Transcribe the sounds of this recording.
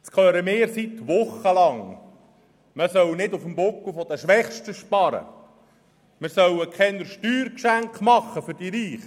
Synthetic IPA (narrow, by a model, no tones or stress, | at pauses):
skʰœːɾəmɪːɾsit̪ʋʊχːəlɑŋ | məsœwnɪd̪ufəmbokufɔd̥̪əʃʋɛχʃtəʃpɑɾə̰ | mɪsœwəkʰɛnəɾʃtyːɾkʃæŋkmɑχːəfʏɾd̥iɾiːχ